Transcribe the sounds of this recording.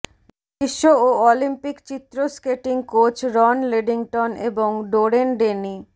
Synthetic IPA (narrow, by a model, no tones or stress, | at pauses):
biʃːooɔlimpikt͡ɕit̪ːɾoskeʈiŋkot͡ɕɾɔnleɖiŋʈoneboŋɖoɾenɖeni